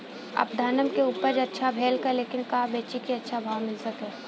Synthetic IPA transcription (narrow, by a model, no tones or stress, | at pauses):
ɐ̰pd̪ʱaːnəmkeuːpəɾd͡ʒɐtːʃʰabʱeːlkəɾleːkɪnkaːbeːt͡ʃikiɐtːʃʰabʱaːʋmɪlsɐkeː